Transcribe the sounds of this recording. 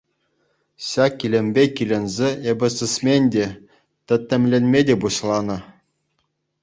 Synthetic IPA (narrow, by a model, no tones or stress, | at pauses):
ɕɑkʲːilʲemʲbʲekʲilʲĕnʲzʲeebʲɘ̆sɨsʲmʲenʲdʲe | t̪ʲɘ̆t̪ʲːɘ̆mʲlʲenʲmʲedʲebuɕlˠɑnɤ̆